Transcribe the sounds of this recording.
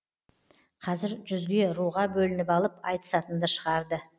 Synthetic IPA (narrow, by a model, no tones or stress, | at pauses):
qʰɑzɪɾʒʏzɡʲe̞ɾuʁɑbɵlɪnɪpɑlˠəpɑ̰jt̪ə̥sɑt̪ənd̪əʃəʁɑɾd̪ə